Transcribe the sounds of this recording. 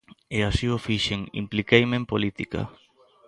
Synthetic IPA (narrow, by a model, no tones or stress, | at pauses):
easiofiʃeŋḭmplikejmẽmpolit̪ika̰